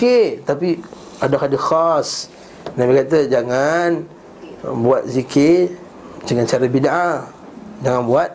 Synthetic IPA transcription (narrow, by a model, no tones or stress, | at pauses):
ket̪api | adahadixas | nabikat̪əd͡ʒaŋan | buat̪̚zike | d͡ʒəŋant͡ʃaɾabidaʔa | d͡ʒaŋanbuat̪̚